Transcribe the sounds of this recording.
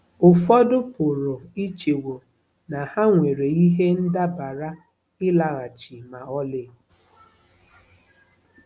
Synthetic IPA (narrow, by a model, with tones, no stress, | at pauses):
ʊ˨fɔ˦dʊ˦pʊ˨ɾʊ˨i˦t͡ʃe˨wo˨ | na˨ha˦ŋʷe˨ɾe˨i˦ɦe˦n̩˦da˦ba˨ɾa˦ | ɪ˦la˨ɣa˨t͡ʃi˨ma˨ɔ˦lɪ˦